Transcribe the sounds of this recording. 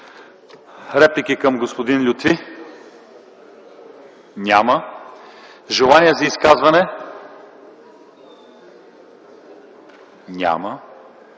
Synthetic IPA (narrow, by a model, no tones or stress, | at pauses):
ɾɛplʲikikɐmɡospod̪inlʲʊt̪vi | nʲamə | ʒɛlˠaniɛzɐiskazvɐnɛ | nʲa̰mə